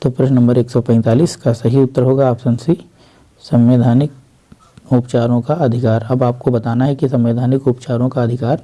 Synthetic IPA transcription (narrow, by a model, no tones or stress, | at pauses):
t̪opɾəʃnɐ̃mbəɾeːksɔpɛ̃ːnt̪aːliːskasɐɦiʊt̪ːəɾɦoːɡaːpsɐ̃nsi | sɐ̃mweːd̪ʱaːnɪk̚ | upt͡ʃaːɾõkaɐd̪ʱɪkaːɾɐbaːp̚kobɐt̪aːnaɦɛkisɐ̃mʋeːd̪ʱaːnɪkʊpt͡ʃaːɾõkaɐd̪ʱɪkaːɾ